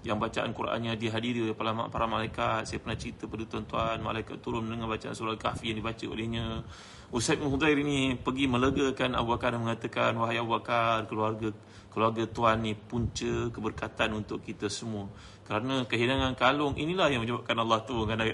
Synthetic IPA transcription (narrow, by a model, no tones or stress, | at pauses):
jaŋbat͡ʃaʔa̰nkuɾʔa̰nɲadiɦadiɾiolehpalama̰ʔpaɾamalaikat̪̚sajapərnaht͡ʃɾit̪əpadut̪uant̪uanma̰laikat̪ːuɾʊnməndəŋanbat͡ʃaa̰nsuɾalka̰fijaŋdibat͡ʃəo̰lehɲã | usat̪̚binɦud̪aiɾinipəɡimə̃ləɡakana̰buakaɾməŋat̪akanwaɦajabuakarkəluarɡa | kəluarɡat̪uanːĩpuɲt͡ʃəkəbərkat̪anunt̪ʊʔkːit̪asəmũə | kəɾanə̃kəɦinaŋankalʊŋʔḭnilahjaŋmə̃ɲd͡ʒabap̚kanɑlˠːɑht̪uŋanaʔ